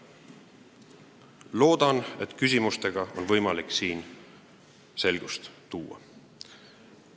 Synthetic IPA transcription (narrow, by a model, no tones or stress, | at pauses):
lo̞ːd̪̥ɑne̞̰t̪ˑkys̬ʲimust̪e̞ɡ̥ɑo̞nvɤ̞jmɑliksiːn | se̞lɡ̥ust̪t̪uːɑ̰